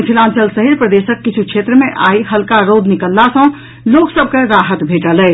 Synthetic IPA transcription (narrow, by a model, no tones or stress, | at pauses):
pʰilãnsəlsəɦiɾpɾəd̪esəkːit͡ʃʰukʰet̪ɾəmeʔaiɦəlkaɾod̪ʱnikəlːasə̃ | loksəb̚ʱkeɾaɦət̪bʱeʈəlɛ